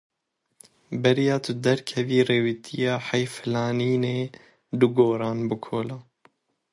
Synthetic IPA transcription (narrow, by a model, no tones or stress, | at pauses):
bɛɾjɑːt̪ʰʊd̪ɛɾkʰɛviːreːwit̪ʰijɑːħɛjfɨlɑːniːneː | d̪uɡoːɾɑːnbɨkʰoːlaː